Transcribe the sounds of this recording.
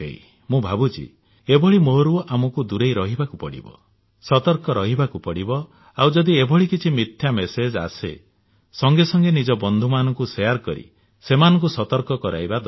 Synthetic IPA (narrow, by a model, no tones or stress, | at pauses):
ḛj | mũbʱabut͡ʃḭ | ebɔɭimoɾuamɔkud̪uɾejɾɔɦibakupɔɽḭbɔ̰ | sɔt̪ɔɾkɔɾɔɦibakupɔɽibɔ | awd͡ʒɔd̪iebɔɭikit͡ʃʰimit̪ʰjamesed͡ʒa̰sḛ | sɔŋɡesɔŋɡenid͡ʒɔbɔnd̪ʱumanɔŋkusejaɾkɔɾḭ | semanɔŋkusɔt̪ɔɾkɔkɔɾa̰jbad̪